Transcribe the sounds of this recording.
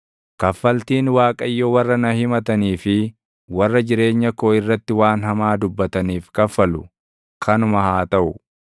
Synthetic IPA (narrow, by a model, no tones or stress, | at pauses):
kɐfːɐlt̪iːnwaːkʼɐjːowɐrːɐnɐhɪmɐt̪ɐniːfɪ | wɐrːɐd͡ʒɪɾe̞ːɲːɐkoːɪrːɐt̪ːɪwaːnɦɐmaːd̪ʊbːɐt̪ɐniːfkɐfːɐlʊ | kʰɐnʊmɐhaːt̪ɐʔʊ